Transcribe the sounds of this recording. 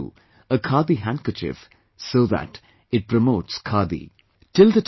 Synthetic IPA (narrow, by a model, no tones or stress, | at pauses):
ṵ | əkʰaːd̪iɦæ̃ŋkəɾt͡ʃɪ̰f | soːðæ̰ʈ | ɪʈ̚pɾəmoːʈskʰaːd̪ḭ | ʈɪld̪əʈ